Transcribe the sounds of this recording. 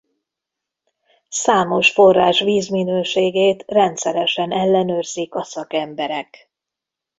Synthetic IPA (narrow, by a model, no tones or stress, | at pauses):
saːmo̞ʃfo̞rːaːʃʋiːzminøːʃeːɡeːt̪rɛnt̪sɛɾɛʃɛnɛlːɛnøːrzikɒsɒkɛmbɛɾɛk